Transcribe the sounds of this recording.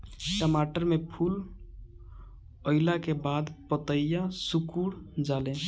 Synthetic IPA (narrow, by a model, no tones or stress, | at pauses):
kəmaʈəɾmepʰul | əlakebad̪pət̪əjjasukuɽd͡ʒalɛ̃